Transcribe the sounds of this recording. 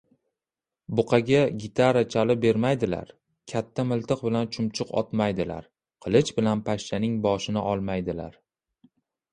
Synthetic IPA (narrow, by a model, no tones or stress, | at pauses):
bʊqʰɑɡʲaɡʲɪt̪ʰaɾat͡ʃʰalɪbe̞ɾmajd̪ɪla̰ɾ | kʲʰat̪ʰːamɪlˠt̪ɨq̚bɪlant͡ʃʰʊmt͡ʃʰʊqʰɒ̰t̪majd̪ɪla̰ɾ | qʰɨlˠɪt͡ʃbɪlanpʰaʃt͡ʃanɪŋbɒʃɪnɪʔɒlˠmajd̪ɪla̰ɾ